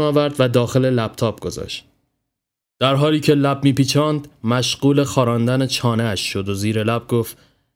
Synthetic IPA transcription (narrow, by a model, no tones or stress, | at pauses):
ɒːvæɾd̪væd̪ɒːxe̞le̞læb̥t̪ʰɒːb̥̚ɡ̥o̞zɒ̰ːʃt̪̚ | d̪̥æɾɦɒːliːcʰe̞læb̚miːpiːt͡ʃʰɒːnd̪mæʃɢ̥uːle̞xɒːɾɒːnd̪ænet͡ʃʰɒːneæʃːo̞d̪oziːɾe̞læb̚ɡoft̪